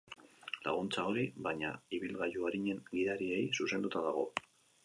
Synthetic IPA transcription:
la̰ɣ̞unt͡sao̞ɾiβaɲa̰iβilɣajuaɾiɲe̞ŋɡiðaɾie̞jsuse̞nd̪ut̪aðaɣ̞o̞̰

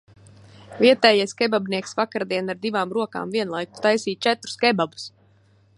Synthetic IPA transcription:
viɛt̪ɛːjajskɛbabniɛksvakaɾd̪iɛnaɾd̪ivaːmɾuɔka̰ːmviɛnlˠajk̚t̪u̥t̪ajsiːt̪̚t͡ʃɛt̪ɾu̥skɛbabu̥s

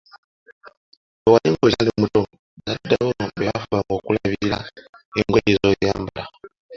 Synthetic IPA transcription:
owaliŋɡozalimuto | zadːaβobeafuβaŋɡoːkulaβiilaeŋɡweizojaːmbala

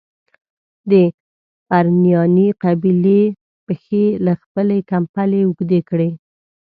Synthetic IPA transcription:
d̪ə | baɾnjɑniqabile | pəxelaxpəlekampaleʊɡd̪ekɽe

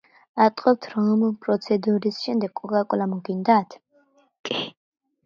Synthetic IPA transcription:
at̪ʼqʼɔp̚t̪ʰɾɔmpʼɾɔt̪sʰɛd̪uɾisʃɛmd̪ɛɡkʼɔkʼakʼlamuɡind̪at̪ʰ | kʼi

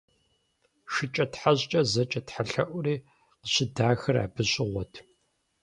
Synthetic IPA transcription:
ʃɪt͡ʃʼɐtħaʑt͡ʃʼɐzɐt͡ʃʼɐtħaɬɐʔʷʊriː | qəɕɪdaːxɐra̰ːbɨɕʼɪʁʷɔtʰ

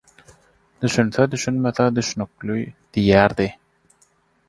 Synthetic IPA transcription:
d̪yʃynθød̪yʃynmeθed̪yʃnyk̚lyd̪̥ijæːɾd̪i

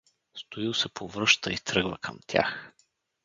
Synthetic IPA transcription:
st̪oilˠsɛpovɾɤʃt̪əit̪ɾɤɡvəkʰəmt̪ʲʰa̰x

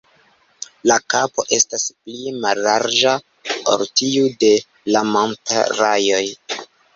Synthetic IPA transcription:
lakapo̞ʔe̞stasplimalːaɾd͡ʒa | o̰ɾtiude̞ | lamonta̰ɾajo̞j

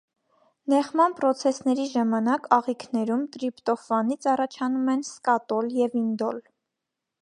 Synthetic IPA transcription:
nɛχmɑnpɾɔt͡sʰɛsnɛɾiʒɑmɑnɑkɑʁikʰnɛɾumt̪ɾipt̪ɔfɑnit͡sʰɑrɑt͡ʃʰɑnumɛnskɑt̪ɔljɛvind̪ɔl

